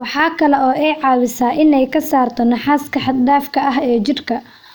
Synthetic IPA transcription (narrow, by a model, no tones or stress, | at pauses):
wɑħɑːkʰɐlɛɔːʔɛjʕɑːwɪsaːʔɪnɛjkʰɐsaːrt̪ʰɔnɐħaːskʰɐħɑd̪d̪aːfkʰɐɐɦɛːt͡ʃɪrkʰɐ